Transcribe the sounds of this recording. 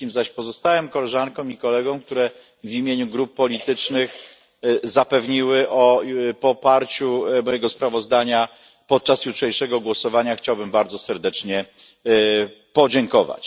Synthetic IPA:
imzaɕpɔzɔst̪awɛmkɔlɛʐaŋkɔ̃w̃ikɔlɛɡɔ̃w̃k̚t̪uɾɛ | vʲimʲjeɲuɡɾupːɔlʲit̪ɘt͡ʂnɘx | zapɛvɲiwɘʔɔpɔpaɾt͡ɕumɔjɛɡɔspɾavɔzd̪aɲa | pɔt̪̚t͡ʂasjutʂɛjʂɛɡɔɡwɔsɔvaɲaxt͡ɕawbɘmbaɾd̪zɔsɛɾd̪ɛt͡ʂɲɛ | pɔd͡ʑɛŋkɔva̰t͡ɕ

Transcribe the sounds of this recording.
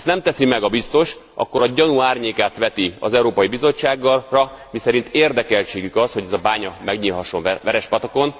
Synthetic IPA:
st̪nɛmt̪ɛsimɛɡɒbist̪o̞ʃʔɒ̰kːo̞ɾɒɟɒnuaːrɲeːkaːt̪ʋɛt̪iɒ̰zɛuɾoːpɒjibizo̞t͡ʃːaːɡːɒrɒ | misɛɾint̪eːrd̪ɛkɛlt͡ʃeːɡykɒsho̞ɟɛzɒbaːɲɒmɛɡɲilɦɒʃːo̞nʋɛɾɛʃpɒt̪oko̞n

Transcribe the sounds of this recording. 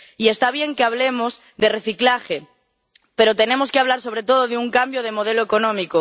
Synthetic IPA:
ie̞st̪aβ̞je̞ŋkeaβ̞le̞moz | ðere̞θiklaxe | pe̞ɾot̪e̞ne̞mo̞skeaβlaɾso̞β̞ɾe̞t̪o̞ð̞oðeuŋkambjoð̞e̞mo̞ð̞e̞loeko̞nõmiko

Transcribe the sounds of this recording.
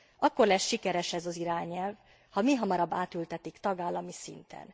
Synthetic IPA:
ɒkːo̞rlɛsʃikɛɾɛʃɛzɒziɾaːɲɛlv | hɒmiɦɒmɒɾɒbːaːt̪ylt̪ɛt̪ikt̪ɒɡaːlːɒmisḭnt̪ʰɛ̰n

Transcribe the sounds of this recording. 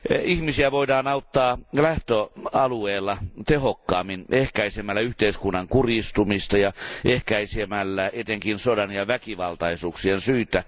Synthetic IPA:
ihmisiæʋoidɑːnɑut̪ːɑːlæht̪øɑlueːlːɑt̪ehokːɑːmːinʔehkæisemːælːæyht̪eiskunːɑŋkurist̪umist̪ɑjɑehkæisiemælːæʔet̪eŋkinsodɑnjɑʋækiʋɑlt̪ɑisuːksiensyːt̪æ

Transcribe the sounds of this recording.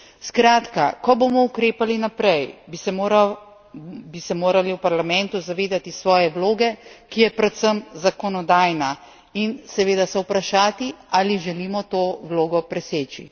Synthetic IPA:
skɾaːt̪ka̰kɔbomɔukɾeːpalinapɾɛjb | bisɛmoːɾaliwpaɾlamɛ̃nt̪uzaʋeːd̪at̪isʋɔːjɛwloːɡɛkijɛpɾɛt̪səmzakɔnɔd̪aːjna | insɛʋeːd̪asɛwpɾaʃaːt̪ialiʒɛliːmɔt̪oːʋloːɡɔpɾɛseːt͡ʃḭ

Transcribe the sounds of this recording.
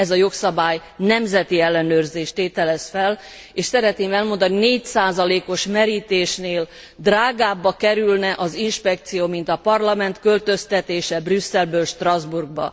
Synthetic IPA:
ɛzɒjo̞ksɒbaːjnɛmzɛt̪iɛlːɛnøːrzeːʃt̪eːt̪ɛlɛsfɛl | eːʃsɛɾɛt̪neːmɛlmo̞nd̪ɒnineːcsaːzɒleːko̞ʃmɛɾiːt̪eːʃneːl | d̪raːɡaːbːɒkɛɾylnɛʔɒzinʃpɛk̚t̪sijoːmint̪ɒpɒrlɒmɛnt̪kø̞lt̪øst̪ɛt̪eːʃɛbrysːɛlbøːlʃt̪rɒzburɡ̚bɒ̰

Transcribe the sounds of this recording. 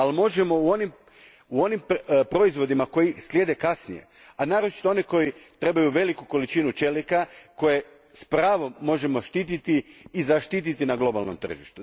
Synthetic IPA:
almo̞ʒemo̞uo̞nim | uo̞nimpɾo̞izʋo̞d̪imako̞islʲje̞d̪ekasnijḛ | anaːɾot͡ʃi̥t̪oo̞niko̞jit̪ɾe̞bajuʋe̞likuko̞lit͡ʃinut͡ʃe̞likako̞je̞ | spɾaːʋo̞mːo̞ʒe̞mo̞ʃt̪iːt̪it̪iːzaʃt̪it̪̬it̪inaɡlˠo̞balˠno̞mt̪r̩ʒḭʃt̪u

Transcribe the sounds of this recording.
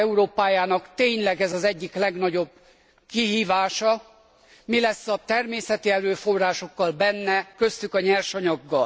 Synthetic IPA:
ɛuɾoːpaːjaːnɒkt̪eːɲlɛɡɛzɒzɛɟːiklɛɡn̪ɒɟo̞b̚ | kiɦiːvaːʃɒ | milɛsːɒt̪ɛrmeːsɛt̪iɛɾøːfo̞rːaːʃo̞kːɒlbɛnːɛkø̞st̪ykɒɲɛrʃɒɲɒɡːɒl

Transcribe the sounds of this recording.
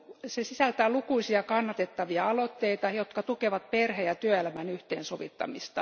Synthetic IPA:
sesisælt̪æːlukuisiɑkɑnːɑt̪et̪ːɑʋiɑɑlot̪ːeit̪ɑjot̪kɑt̪ukeʋɑt̪̚perheːjɑt̪yøelæmænyht̪ḛːnsoʋḭt̪ːɑ̰mist̪ɑ

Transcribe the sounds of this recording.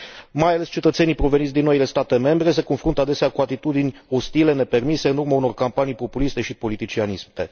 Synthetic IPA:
majale̞st͡ʃe̞t̪ət̪se̞nijpɾo̞ve̞nit̪sʲd̪inːo̞ile̞st̪at̪e̞me̞mbɾe̞s̬e̞ko̞nfɾunt̪əad̪e̞seakuat̪it̪ud̪inʲo̞st̪ile̞ne̞pe̞rmise̞ɨnurmauno̞rkampanijpo̞pulist̪e̞ʃipo̞lit̪it͡ʃianist̪e̞

